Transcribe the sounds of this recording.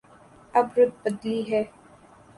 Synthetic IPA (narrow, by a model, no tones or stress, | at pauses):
ɐbɾʊt̪̚bəd̪liːɦɛː